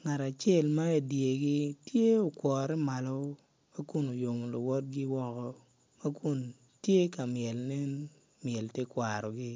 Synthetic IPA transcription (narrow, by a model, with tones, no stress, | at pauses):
ŋa˨ta˨t͡ʃe˦˨lma˦e˨dje˨ɡi˦tje˦o˨kwɔ˨ɾɛ˦ma˨lɔ˦ | ma˦ku˨no˨jo˨m˨lo˨wɔ˦t̚ɡɪ˦wɔ˦kɔ˨ | ma˦ku˦n˨ | tje˦ka˨mjɛ˨lnɛ˦n | mjɛ˨lte˦kwa˨ɾɔ˨ɡɪ˦